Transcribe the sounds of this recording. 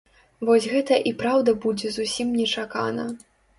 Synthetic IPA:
vɔsʲɣɛt̪ɐʔipɾawd̪ɐbud͡zʲɛzusʲimnʲɛt͡ʂaka̰nɐ̰

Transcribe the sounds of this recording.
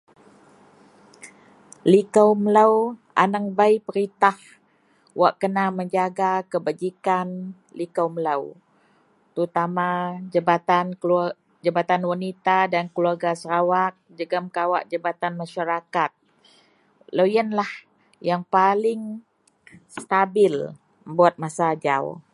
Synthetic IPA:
likamləwʔa̰naŋbajpəɾit̪ah | waʔkənaməɲd͡ʒaɡakəbad͡ʒikan | likaməlaw | t̪əut̪amaəbat̪an | d͡ʒabat̪anwanit̪adankəluarɡasəɾawak̚d͡ʒəɡəmkawaʔd͡ʒabat̪anmaʃaɾakat̪̚ | ləwjənlah | jaŋpalɪŋ | st̪abɪl | əbuat̪̚masad͡ʒa̰w

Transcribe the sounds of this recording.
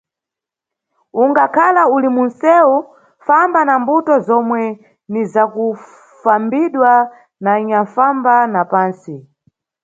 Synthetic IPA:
uŋɡakʰalaulimunsɛu | fambanambutɔzɔmwɛ | nizaku | fambiɗwa | naiɲaɱfambanapaːnsi

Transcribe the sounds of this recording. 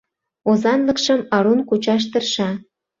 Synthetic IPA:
ozɑnlə̆kʃəmɑɾunkut͡ɕɑʃ̬t̪ərʃɑ

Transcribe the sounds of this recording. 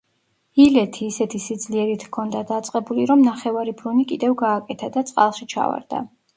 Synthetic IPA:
ilɛt̪ʰiːsɛt̪ʰisid̪zliɛɾit̪ʰkʰɔnd̪ad̪at̪sʼqʼɛbuliɾɔmnaχɛvaɾibɾunikʼid̪ɛvɡaːkʼɛt̪ʰad̪at̪sʼqʼa̰lˠʃit͡ʃʰa̰va̰ɾd̪̥a̰

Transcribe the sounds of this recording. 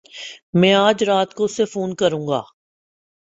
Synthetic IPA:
mɛ̃ːaːd͡ʒɾaːt̪koʊsːefuːnkəɾũːŋɡa̰ː

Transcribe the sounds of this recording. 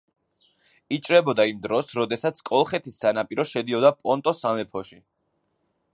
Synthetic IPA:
it͡ʃʼɾɛbɔd̪aimd̪ɾɔsɾɔd̪ɛsat̪sʰkʼɔlˠχɛt̪ʰisːanapʼiɾɔʃɛd̪iɔd̪apʼɔnt̪ʼɔsamɛpʰɔʃi

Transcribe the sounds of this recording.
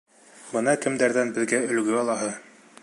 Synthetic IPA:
bɤnɑkɘ̆md̪æɾðænbɘ̆ðɡæɵ̆lɡɵɑlˠɑɦɤ

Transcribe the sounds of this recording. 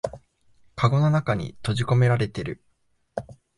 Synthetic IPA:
kaɡo̞no̞nakaɲ̟ḭt̪o̞ʑiko̞me̞ɾaɾe̞t̪e̞ɾɯ̟

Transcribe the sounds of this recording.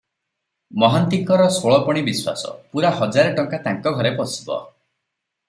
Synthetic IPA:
mɔɦant̪iŋkɔɾɔsoɭɔpɔɽ̃ibiswa̰sɔ̰puɾaɦɔd͡ʒaɾɔʈɔŋkat̪aŋkɔɡʱɔɾepɔsi̥bɔ̰

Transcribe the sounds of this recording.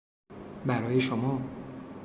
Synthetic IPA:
bæɾɒːjeʃomɒː

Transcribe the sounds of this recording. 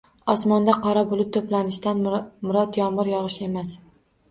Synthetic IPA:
ɒsmɒnd̪aqʰɒɾabʊlˠɪt̪ʰːoplanɪʃt̪anmʊɾɒt̪jɒmɪɾjɒʁɨʃe̞mas

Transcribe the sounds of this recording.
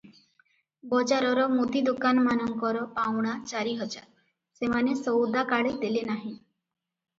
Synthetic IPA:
bɔd͡ʒaɾɔɾɔmut̪id̪ukanmanɔŋkɔɾɔpawɽ̃at͡ʃaɾiɦɔd͡ʒa | semanesɔwd̪akaɭejd̪elenaɦĩ

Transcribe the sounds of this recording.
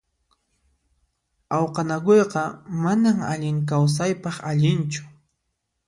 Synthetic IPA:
awqɑnaɡojqɑmanaŋa̰ʎɪŋk̬aws̬ajpɑχaʎɪnt͡ʃʊ̥

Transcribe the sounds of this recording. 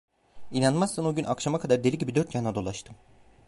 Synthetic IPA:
inanmasːɯno̞ɟynʔakʃamakʰad̪aɾd̪e̞lʲiɟibid̪øɾt̪ʰjanad̪o̞lˠaʃt̪ʰɯm

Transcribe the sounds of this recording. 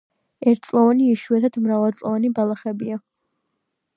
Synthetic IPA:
ɛɾt̪̚ʰsʼlˠɔvaniːʃuɛt̪ʰad̪mɾavalˠt̪sʼlɔvanibalˠaχɛbia

